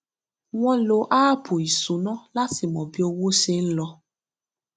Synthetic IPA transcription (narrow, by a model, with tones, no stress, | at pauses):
w̃ɔ̃˦lo˨ʔaː˦bo˨i˨su˨˦nɔ̃˦la˦ti˨mɔ̃˨bi˦o˧wo˦ʃe˦n̩˦lɔ˧